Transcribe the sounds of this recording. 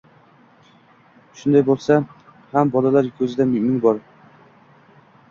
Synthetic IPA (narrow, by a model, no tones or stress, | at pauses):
ʃʊnd̪ajbolˠsa | hambɒlalaɾkʲʰɵzɪd̪amɪmɪŋbɒɾ